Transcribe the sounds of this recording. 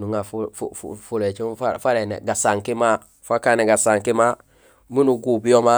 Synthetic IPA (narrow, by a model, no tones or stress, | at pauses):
nuŋafufuffulet͡ʃifafaɾenḛɡasaŋkima | fakaneɡasaŋkima | munuɡubioma